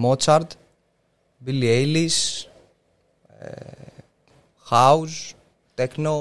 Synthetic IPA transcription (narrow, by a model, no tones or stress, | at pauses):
mot͡saɾd̪ | biliejlis | hawz | t̪ɛkno